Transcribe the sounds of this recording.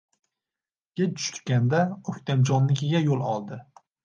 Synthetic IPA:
ɡ̥ʲat͡ʃʰʊ̥ʃt̪kʲand̪aɵkʲt̪ʰand͡ʒɒnːɪkʲʰɪɡʲajolˠɒlˠd̪ɪ

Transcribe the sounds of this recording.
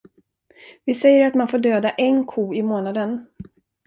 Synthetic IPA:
vɪsɛjːəɾat̪manfoːɖøːd̪aʔɛnkʰuːɪmoːnad̪ən

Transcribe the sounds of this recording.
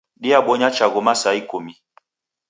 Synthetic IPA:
ɗiaɓɔɲat͡ʃaɣɔmasaikumi

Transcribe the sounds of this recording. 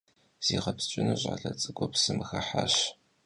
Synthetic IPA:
z̥iːʁɐpst͡ʃʼɪnɨʑʼʕa̰ːɮɐt͡sʼɨɡʷɔpsɨmɨxɐħaɕ

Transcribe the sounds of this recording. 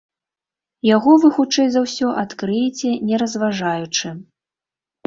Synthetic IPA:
jaɣɔvɨxut͡ʂɛjzawsʲɔʔat̪kɾɨjɛt͡sʲɛnʲɛɾɐzvaʐajut͡ʂɨ

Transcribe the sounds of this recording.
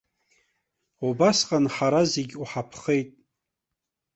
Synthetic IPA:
ubasqʼanħaɾazeɡʲuħapʰχe̞jtʼ

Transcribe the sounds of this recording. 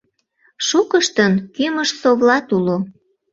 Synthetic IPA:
ʃukəʃt̪ənkyməʃsoβlɑt̪ulo

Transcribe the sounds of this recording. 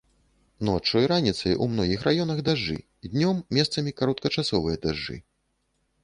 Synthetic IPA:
nɔt͡ʂɔjɾanʲit̪sɐjʔumnɔɣʲixrajɔnɐɣd̪aʐːɨ̰ | d̪ʲnʲɔmːʲɛst̪sɐmʲikaɾɔt̪̚kɐt͡ʂasɔvɨjɐd̪aʐːɨ̰

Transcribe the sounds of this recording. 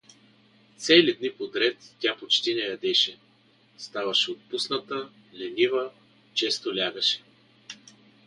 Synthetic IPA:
t̪sɛlid̪nipod̪ɾɛt̪tʲapot͡ʃt̪inɛjɐd̪ɛʃɛ | st̪avɐʃɛot̪̚pusnɐt̪ə | lɛnivə | t͡ʃɛst̪olʲaɡəʃɛ̥

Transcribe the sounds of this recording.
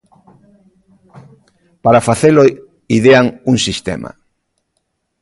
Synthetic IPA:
paɾafaθelo | iðeaŋuŋsist̪ḛma̰

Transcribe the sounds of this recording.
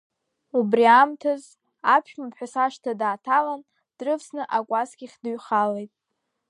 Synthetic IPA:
ubriamtʰaz | apʰʃᶣmapʰħʷᶣasaʂtʰadaːtʰalan | d̥rɨvsnɨʔakʷʼasɡʲiχʲdɨɥχalejtʼ

